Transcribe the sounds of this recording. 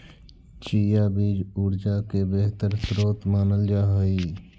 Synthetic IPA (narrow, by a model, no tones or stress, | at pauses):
t͡ʃijabiːd͡ʒuːɾd͡ʒakebeɦt̪əɾsɾoːt̪maːnəld͡ʒaːɦəi